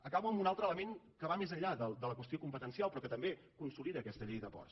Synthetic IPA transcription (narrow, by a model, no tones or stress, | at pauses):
əkaβuəmbunalˠt̪ɾələmeŋ | kəβamezəʎaðəld̪ələkwəst̪iokumpət̪ənsialˠpɾɔkət̪əmbe | kunsuliðəːkɛst̪əʎejðəpɔ̰rs